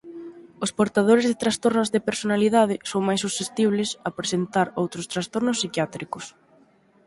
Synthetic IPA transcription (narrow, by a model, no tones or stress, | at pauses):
ʊspoɾt̪að̞oɾezðɪt̪ɾast̪oɾnozðepeɾsonaliðað̞ɪsowŋmajs̬usest̪iβ̞lɪsapɾesent̪aɾowt̪ɾost̪ɾast̪oɾnʊsːikjat̪ɾikʊs